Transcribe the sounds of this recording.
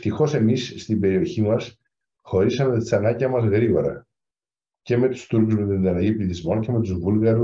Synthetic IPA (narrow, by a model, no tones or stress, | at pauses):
ft̪ixo̞se̞misːt̪ibe̞ɾio̞çimɐs | xo̞ɾisɐmet̪i̥sɐnɐɟiɐmɐzɣɾiɣo̞ɾɐ̰ | ce̞me̞t̪u̥st̪uɾkuzme̞t̪t̪inɐnɐʝipliθizmo̞nce̞me̞t̪uzvulɣɐɾu